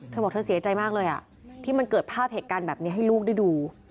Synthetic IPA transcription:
t̪ʰɤː˧bɔː˨˩kt̪ʰːsi˨˩˦t͡ɕa˧jmaː˥˩k̚lɤː˧jʔa̰˨˩ | t̪ʰiː˥˩ma˧nkɤː˨˩t̪̚pʰaː˥˩p̚heː˨˩t̪̚kaː˧nbɛː˨˩p̚ni˦˥ɐɦa˥˩jluː˥˩k̚da˥˩jduː˧

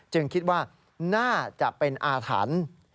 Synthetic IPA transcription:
t͡ɕɯ˧ŋkʰi˦˥t̪̚waː˥˩ | naː˥˩t͡ɕa˨˩ʔpe˧nʔaː˧t̪ʰa̰ː˩˦n

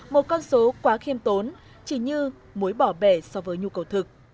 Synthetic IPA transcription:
mo˨˩t̚kɔ˧nso˨˦kwaː˨˦xi˧əmt̪o˨˦n | t͡ɕi˧˩ɲɨ˧ | mu˨˦jɓɔ˧˩ɓɛ˧˩sɔ˧vəː˨˦jɲu˧kə˨˩wt̪ʰɨ˨˩k̚

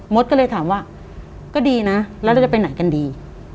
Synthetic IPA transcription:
mo˦˥t̪̚kɔː˥˩lːjt̪ʰaː˨˩˦mwaː˥˩ | kɔː˥˩diː˧na˦˥lɛ˦˥ɾa˥˩t͡ɕpa˧jna˨˩˦jka˧ndiː˧

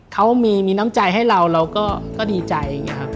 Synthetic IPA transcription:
kʰa˦˥wmiː˧miː˧naː˦˥mt͡ɕa˧jɦa˥˩jɾa˧wɾa˧wkɔː˥˩kɔː˥˩diː˧t͡ɕa˧ja˨˧˩ŋːi˦˥ɐkʰa˦˥p̚

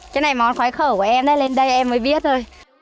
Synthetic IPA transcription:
kə˨˦na˨˩jmɔ˨˦nxwaː˨˦xəː˧˩ku˧˩ʔɛ˧mʔɗə˨˦jle˧nɗə˧jʔɛ˧mːəː˨˦jɓi˦˥ət̚zo˧j

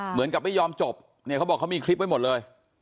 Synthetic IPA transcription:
mɯ˩˦ənka˨˩p̚ma˥˩jɔː˧mt͡ɕo˨˩p̚ | ni˥˩kʰa˦˥wbɔ˨˩kʰːa˦˥miː˧kʰɾi˦˥p̚wa˧jmo˨˩t̪̚lɤː˧j

